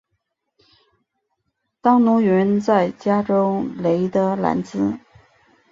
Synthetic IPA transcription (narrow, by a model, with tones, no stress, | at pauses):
t̪ɑ˥ŋnu˧˥ɥɛ˧˥nt͡sa˥˩ɪt͡ɕja˥ʈ͡ʂo˥ʊle˧˥ɪt̪ə˧˥la̰˧˥nt͡sɹ̩˥